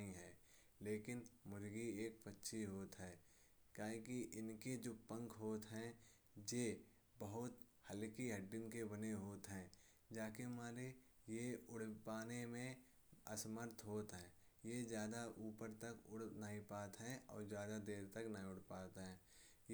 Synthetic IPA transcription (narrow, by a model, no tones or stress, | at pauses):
ɦĩɦɛː | leːkɪnmʊɾɡieːk̚pətːʃʰiɦoːt̪ɦɛː | kaːɦikiʔɪnked͡ʒoːpə̃ŋkʰɦoːt̪ɦɛ̃ː | je | bəɦʊt̪hɐlkiɦɐɖːɪnkebɐneɦoːt̪ɦɛ̃ː | d͡ʒaːkemaːɾejeʊɽ̤paːnemẽ | ɐsməɾt̪ʰɦoːt̪ɦɛ̃ː | jezjaːd̪aʔuːpəɾt̪əkʊɽnaĩpaːt̪ɦɛ̃ɔ̰ːɾzjaːd̪ad̪eːɾt̪ɐknəɦĩʊɽ̤paːt̪ɦɛ̃ː | j